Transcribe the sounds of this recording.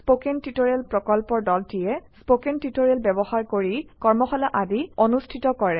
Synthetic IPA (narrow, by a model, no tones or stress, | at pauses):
spokɛntitoɹɛlpɹɔkɔlpɔɹdɔltijɛspokentitoɹɛlbɛbɔxaɹkoɹikɔɹmɔxɔlaʔadionustʰitɔkɔɹɛ